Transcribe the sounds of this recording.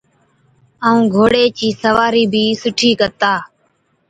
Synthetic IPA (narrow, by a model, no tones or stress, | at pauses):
aːũːɡʱoːɽeːt͡ʃiːsəʋaːɾiːbʱiːsʊʈʰiːkət̪aː